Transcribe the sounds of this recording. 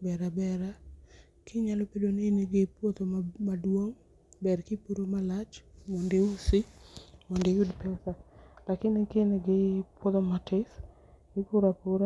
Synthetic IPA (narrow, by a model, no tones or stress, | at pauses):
bɛɾabɛɾa | kɪɲalopedonɪneɡɪpwot̪omadwoŋ | bɛɾkɪpuɾomalat͡ʃmondeusɪmondejudpɛsalakɪnɪkeneɡɪpwot̪omatɪs | ɡɪpuɾapuɾa